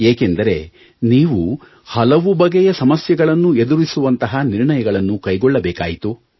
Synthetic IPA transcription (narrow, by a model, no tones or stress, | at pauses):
eːkend̪ɐɾe̞̰ | niːʋu | hɐlɐʋubɐɡɛjɐsɐmɐsjɐɡɐɭɐnːue̞d̪uɾisuʋɐnt̪ɐɦɐniɾɳɐjɐɡɐɭɐnːukɐjɡɔɭːɐbɛːka̰ːjit̪u